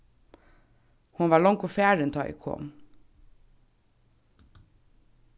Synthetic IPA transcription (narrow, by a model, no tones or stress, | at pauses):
hʊnʋɑːɭɔŋkofæːɹənt̪ʰɑːḭkʰɔ̰m